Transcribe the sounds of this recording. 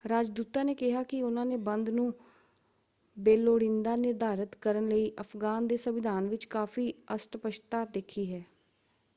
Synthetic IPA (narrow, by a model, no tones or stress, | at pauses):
ɾaːd͡ʒd̪uːt̪aːneːkɪɦaːkɪʊnãːneːbənd̪nũː | beːloːɽɪ̃nd̪aːnɪɾd̪aːɾət̪kəɾənləiːʔəpʰɡaːnd̪eːsəʋɪd̪ʱaːnʋɪt͡ʃkaːfiːəsʈpəʃt̪aːd̪eːkʰiːɦɛː